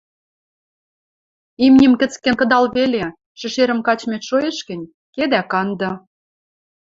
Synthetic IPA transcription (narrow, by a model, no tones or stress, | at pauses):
imnʲɘ̆mkə̆t͡skĕnkɤ̆d̪ɑlβele | ʃɘ̆ʃeɾə̆mkɑt͡ɕmeʃojeʃkɘ̆nʲ | ked̪ækɑnd̪ɤ̆